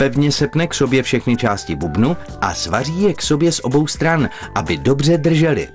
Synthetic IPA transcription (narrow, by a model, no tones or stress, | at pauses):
pɛvɲɛsɛpnɛkso̞bjɛfʃɛxnɪt͡ʃaːscɪbubnu | ʔa̰svar̝iːjɛkso̞bjɛsʔo̞bo̞wst̪ɾan | ʔabɪdo̞br̝ɛdr̩ʒɛlɪ̰